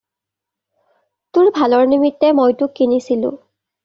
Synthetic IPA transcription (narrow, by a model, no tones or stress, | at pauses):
tʊɹbʱalɔɹnimitːɛmojtʊkːinisilʊ̰̃